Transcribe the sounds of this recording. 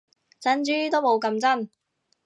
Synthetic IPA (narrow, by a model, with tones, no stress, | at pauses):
t͡sɐ˨˥nt͡ʃyː˥t̪o˥mo˨˧wkɐ˧mt͡sɐ˥˩n